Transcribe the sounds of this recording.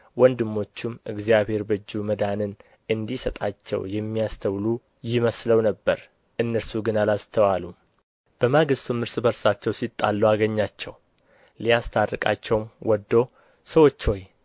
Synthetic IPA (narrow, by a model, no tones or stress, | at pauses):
wɔnd̪ɨmːo̞t͡ʃːumɨɡzijaβhe̞ɾbɨd͡ʒːuməd̪anɨn | ʔɨnd̪isət̪ʼat͡ʃːɛ̰wjɛmːijast̪ʰəwlu | jɪməsləwnəbːəɾ | ʔɨnːəɾsuɡɨnalast̪ʰəwalu | b̥əmaɡɨst̪ʰumɨɾsʼbəɾsat͡ʃːɛwsit̪ʼːa̰lːuaɡəɲːat͡ʃːɛw | lijast̪ʰarːɨkʼa̰t͡ʃːɛwmwɔd̪ːo̞ | səwo̞t͡ʃːo̞j